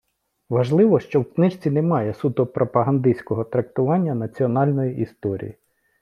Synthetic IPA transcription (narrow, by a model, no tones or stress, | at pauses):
ʋɐʒlˠɪʋɔʃt͡ʃɔwknɪʃt͡sʲinɛmɑjɛsud̪ɔpɾʔɔpɐɦɐnd̪isʲkɔɦɔt̪ɾɐk̚t̪ʊʋɑnʲːɐnɐt͡sʲiɔnɑlʲnɔjiʔist̪ɔɾʲḭji